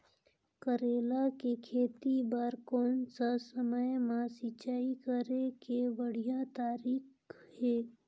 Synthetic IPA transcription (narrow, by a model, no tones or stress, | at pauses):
kəɾeːlakekʰeːt̪ibaːɾkɔːnsasəməjmãsit͡ʃaːikəɾekeʋəɽ̤ijãt̪aːɾiːk | heː